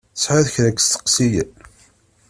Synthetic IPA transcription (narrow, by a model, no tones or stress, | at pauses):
θəsħʕaðçɾækːst̪ə̥qsijən